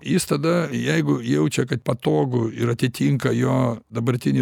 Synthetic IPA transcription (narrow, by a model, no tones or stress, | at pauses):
jɪst̪ɐd̪ɐjɛɪɡʊjɛʊt͡ʃʲɛkɐt̪̚pɐt̪oːɡʊɪɾɐt̪ʲɪt̪ʲiŋkɐjoːd̪ɐbɐɾʲt̪ʲɪnʲɪ